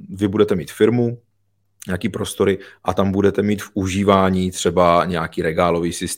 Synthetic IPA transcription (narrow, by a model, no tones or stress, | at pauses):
vɪbudɛt̪ɛmḭːt̪fɪɾmu | ɲɛakiːpɾo̞st̪o̞ɾɪʔat̪ambudɛt̪ɛmiːt̪fʔuʒiːvaːɲiːt̪r̝̥ɛbaɲɛjakiːɾɛɡaːlo̞viːsɪst̪